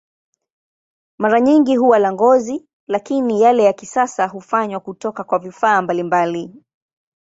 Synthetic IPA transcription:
maɾaɲiŋɡiɦuwalaŋɡɔzi | lakinijalɛjakisasahufaɲwakutɔkakwavifaːmbalimbali

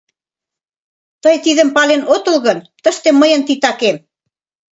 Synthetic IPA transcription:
t̪əjt̪iðə̆mpɑlenʔot̪əlɣənt̪ə̆ʃt̪emːəjə̆nt̪it̪ɑkem

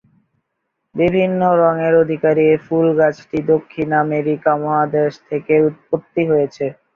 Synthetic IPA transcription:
bibʱinːoɾɔŋeɾod̪ʱikaɾiefulɡat͡ɕʰʈid̪okʰːinameɾikamɔɦad̪eʃt̪ʰekeut̪̚pot̪ːiɦojet͡ɕʰe

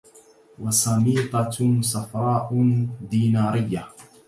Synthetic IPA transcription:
wɑsˤɑmiːt̪ˤɑsˤɑfɾˤɑːʔd̪iːnaːɾɪjːa

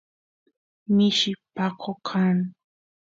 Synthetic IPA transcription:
mɪʃɪpakʰokʰaŋ

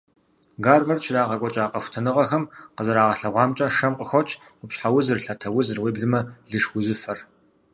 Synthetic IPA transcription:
ɡaːrvɐrt͡ʃʰɪraːʁɐkʷʼɔt͡ʃʼaːqɐxʷtʰɐnɨʁɐxɐmqəzɐɾaːʁɐɬɐʁʷɑːmt͡ʃʼɐʂɐmqʼəxʷɔt͡ʃʰʼ | ɡʷʊpɕħawʊzɨrɬatʰɐwʊzɨrweːbɮɨmɐɮɨʂxʷʊzɨfɐr

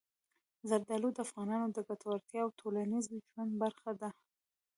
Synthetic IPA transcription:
zaɾd̪ɑlod̪əafɣɑnɑnod̪əɡat̪awaɾt̪jɑːwt̪ʰolanizmʒwand̪baɾxad̪a

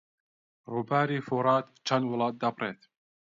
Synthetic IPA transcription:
ɾubaːɾiːfuɾˤɑːt̪t͡ʃʰːanwʊlɑːt̪̚d̪ɑbɾeːt̪

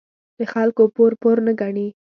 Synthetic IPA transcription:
d̪̥əxalkopoɾpoɾnəɡaɳi

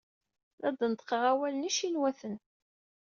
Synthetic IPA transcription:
ðæd̪nət̪ːˤqəʁæwæləniʃinwæθən

